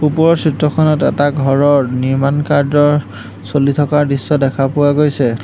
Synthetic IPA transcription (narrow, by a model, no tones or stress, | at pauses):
upɔɹɔtʰɹitɹɔkʰɔnɔtɛ̰taɡʱɔɹɔɹniɹmankaɹzɔɹ | solitʰɔkaɹdisːɔdɛkʰapʊwaɡojsɛ